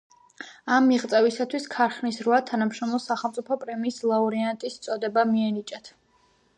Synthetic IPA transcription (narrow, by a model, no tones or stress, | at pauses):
amːiʁt̪sʼɛvisat̪ʰwiskʰaɾχnisɾvat̪ʰanamʃɾɔmlˠɔsaχɛlˠmt̪sʼipʰɔpʼɾɛmiːslˠauɾiant̪ʼist̪sʼɔd̪ɛbamiɛnit͡ʃʼat̪ʰ